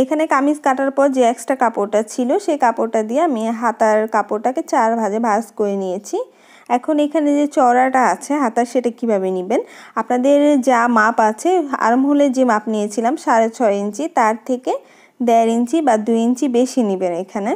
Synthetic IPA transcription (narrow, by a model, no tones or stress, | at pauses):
ekʰanekamiskaʈaɾpɔɾd͡ʑeɛksʈakapoɾʈat͡ɕʰiloʃekapoɾʈad̪ieamiɦat̪aɾkapoɾʈaket͡ɕaɾbʱad͡ʑebʱaskoɾenijet͡ɕʰi | ɛkʰonekʰaned͡ʑet͡ɕɔɾaʈaat͡ɕʰeɦat̪aɾʃeʈakibʱaβenibenapnad̪eɾd͡ʑamapat͡ɕʰea̰ɾomɦoled͡ʑemapnijet͡ɕʰilamʃaɾet͡ɕʰɔeint͡ɕit̪aɾt̪ʰeke | d̪ɛɾint͡ɕibad̪ujint͡ɕibeʃinibenekʰane